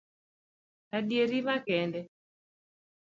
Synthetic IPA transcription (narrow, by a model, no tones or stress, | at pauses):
adjeɾimakɛndɛ